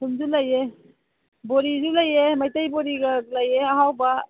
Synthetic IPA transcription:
sumd͡ʒulaje | boɾizulajemajtajboɾiɡalajeaɦawba

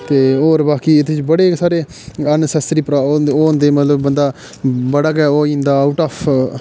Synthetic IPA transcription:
t̪eːoːɾbaːkiːɪt̪et͡ʃbəɽeːsaːɾeː | ənsɛsɾiːpəɾaːoːnd̪eːmət̪ləbːənd̪aː | bəɽaːɡɛːoːĩːnd̪aːʊʈaːpʰ

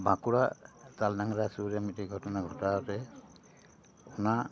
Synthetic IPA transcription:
bakuɹatalnaŋɾasuɾamitiɡʱɔtɔnaɡʱɔtaɔtɛ | una

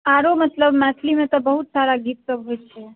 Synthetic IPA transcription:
aɾomət̪ləbmɛt̪ʰlimẽt̪obəɦut̪saɾaɡʱit̪̚səbɦot͡ʃʰe

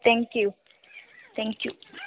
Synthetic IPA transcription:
t̪ʰɛ̃ŋkju | t̪ʰɛ̃ŋkju

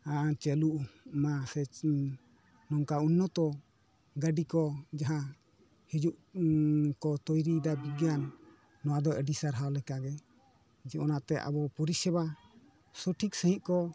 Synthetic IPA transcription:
at͡ʃɛluʔmasɛ | nɔŋkaunːɔt̪ɔ | ɡaɖikɔd͡ʒaɦã | hid͡ʒuʔ | kɔt̪ɔjɾid̪abiɡjanː | ɔwad̪ɔʔɛɖisaɾɦawlɛkaɡɛ | d͡ʒɛɔnaʔt̪ɛʔa̰bɔpɔɾisɛba | sɔʈʰik̚sə̃ɦĩʔ̪̚kɔ

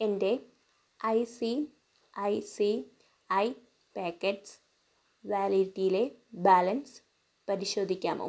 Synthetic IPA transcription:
ende̞ | ɐjsi | ɐjsi | ɐj | peːkːeʈs | ʋaːliʈːijile̞baːlɐns | pɐɾiɕo̞ːd̪ʱikʲːa̰ːmo̰

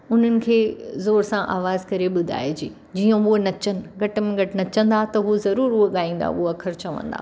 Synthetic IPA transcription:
ʊn̤ənɪ̆kʰeːzoːɾsãʔa̰ːʋaːzkɐɾeɓʊd̪ʱa̰ːed͡ʑiː | d͡ʑiːə̃ʊɦnɐt͡ɕənɪ̆ɡʱɐʈ̆mẽɡʱɐʈɪnɐt͡ɕə̃nd̪at̪ɐɦuzɐɾuːɾuɠaːĩːn̆d̪a̰uɐkʰɐɾt͡ɕɐʋə̰̃nd̪a̰ː

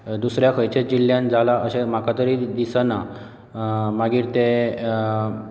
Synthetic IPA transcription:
d̪usɾjakʰəjt͡ɕed͡ʑilːjãnd͡zʱalaəɕem̤akat̪əɾid̪isana | maɡiːɾt̪e

